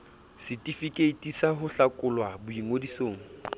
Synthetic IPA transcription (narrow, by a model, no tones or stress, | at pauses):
sɪtʼifikʼeitʼisaɦʊɬakʼʊlwabʊiŋodisoːŋ̩